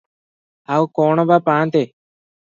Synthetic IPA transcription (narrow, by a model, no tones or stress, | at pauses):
aːukoːɳoːbaːpãːnt̪eː